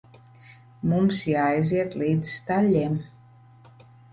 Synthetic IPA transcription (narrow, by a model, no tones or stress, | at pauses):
mumsjaez̬iat̪lit̪st̪aʎem